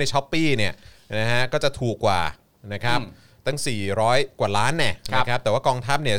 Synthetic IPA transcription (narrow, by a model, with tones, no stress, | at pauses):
na˧jt͡ɕʰɔ˦˥pːiː˥˩ni˥˩ɐna˦˥ɦa˦˥kɔː˥˩t͡ɕa˨˩t̪ʰuː˨˩kːwa̰ː˨˩ | na˦˥kʰɾa˦˥p̚ | t̪a˥˩ŋsiː˨˩ɾɔː˦˥jkwaː˨˩laː˦˥nːɛ˧˩na˦˥kʰa˦˥p̪̚ɛ˨˩waː˥˩kɔː˧ŋt̪ʰaː˦˥˩p̚ni˥˩ɐ